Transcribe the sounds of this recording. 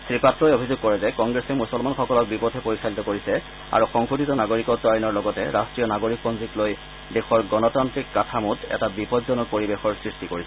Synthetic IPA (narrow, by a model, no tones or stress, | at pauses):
sɹipatɹɔjobʱizʊɡ̚kːɔɹɛzɛkɔŋɡɹesɛmusɔlmanxɔkɔlɔk̚bipɔtʰɛpoɹisalitɔkoɹisɛ | a̰ɹuxɔŋxutitɔnaɡoɹikɔtajɔnɔɹlɔɡɔtɛ̰ɹastɹijɔnaɡoɹik̚pɔnzikloj | dexɔɹɡɔnɔtantɹikːatʰamutɛ̰tabipɔdzɔnɔkpoɹibexɔɹsɹistikoɹisɛ